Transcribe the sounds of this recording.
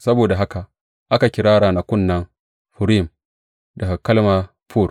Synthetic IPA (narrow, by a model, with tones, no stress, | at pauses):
sɐ˦boː˨da˨ɦa˦ka˨ | ʔa˦ka˨kʲɪ˨ɾaː˦ɽaː˨na˨kʷʊ˦˨nːɐ˦ŋ | ɸʊ˨ɾi˦˨m | dɐ˨ɡa˨kɐ˦lma˦ | pʰuː˦˨r